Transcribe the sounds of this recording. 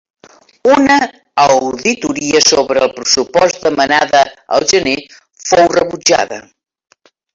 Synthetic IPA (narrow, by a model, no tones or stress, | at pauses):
unəː | wðit̪uɾiəsoβɾəːlˠpɾəsupɔzd̪əmənaðəə̰lˠʒəne | fowrəβud͡ʒa̰ðə̰